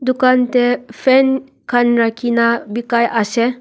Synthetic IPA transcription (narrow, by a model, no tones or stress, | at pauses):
d̪ukant̪epʰen | kʰanɾakʰinabikajʔase